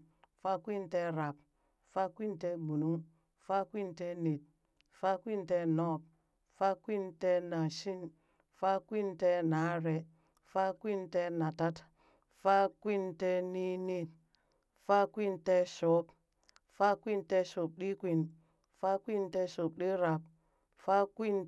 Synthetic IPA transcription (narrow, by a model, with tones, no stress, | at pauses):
fa˦kʷi˦nte˦ɾa˨p̚ | fa˦kʷi˦nte˦bu˨nu˦ŋ | fa˦kʷi˦nte˦ni˨t̚ | fa˦kʷi˦nte˦nɔ˦p̚ | fa˦kʷi˦nte˦na˨ʃi˦n | fa˦kʷi˦nte˦na˨˦ɾe˨ | fa˦kʷi˦nte˦na˨ta˦t | fa˦kʷi˦nte˦ni˦ni˦t̚ | fa˦kʷi˦nte˦so˨˦p | fa˦kʷi˦nte˦so˨p̚ɗi˦kʷi˨n | fa˦kʷi˦nte˦so˨p̚ɗi˦ɾa˨p̚ | fa˦kʷi˦n